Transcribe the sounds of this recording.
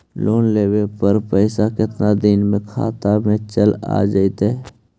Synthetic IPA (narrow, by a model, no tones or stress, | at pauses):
lʔoːnleːwepəɾpəɪsakɪt̪nad̪ɪnmẽkʰa̰ːt̪amẽt͡ʃəla̰ːd͡ʒaɪt̪ɛ